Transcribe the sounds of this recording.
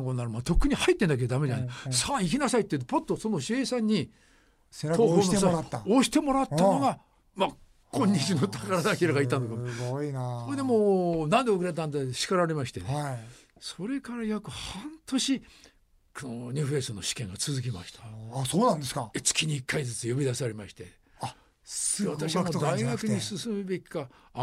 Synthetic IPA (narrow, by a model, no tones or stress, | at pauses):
ŋkonːaɾɯmat̪o̞kːɯ̟ɲ̟ihait̪ːe̞nd̪aked̪od̪amed͡ʑanesaːikʲinasait̪ːet̪epot̪ːosonoɕieːsãɲ̟ːi | t̪ʰoːɦoːnoaaaoɕi̥t̪e̞mo̞ɾat̪ːano̞ɡa | ma | kʰõ̞ɲ̟ʲːit͡ɕinot̪ʰakaɾad̪akʲiɾaɡait̪ːãnd̪okamiaoed̪emoːnãnd̪eokɯɾet̪ãnt̪eɕi̥kaɾaɾe̞maɕi̥t̪e̞̰n | so̞ɾe̞kaɾajakɯ̟hãnt̪o̞ɕi | konoɲʲɨːɸe̞stono̞ɕi̥kẽŋɡat͡sɨzɨk̬ʲima̰ɕi̥t̪ḁsoːnãnd̪eskaet͡sɨ̥kʲiɲiːkːaid͡zɨt͡sɨjobʲid̪asaɾʲemaɕi̥t̪e̞̰ | sat̪aɕimod̪aiɡakɯ̟ɲisɨsɨmɯ̟be̞kʲi̥ka